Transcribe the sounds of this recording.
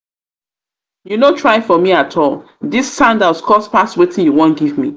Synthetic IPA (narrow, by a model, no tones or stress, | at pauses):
junotʰɹaɪfɔmiatʰɔlˠ | disːãʊ̃ndaʊskʰɔspastwetʰɪ̃njuwõnɡivmḭ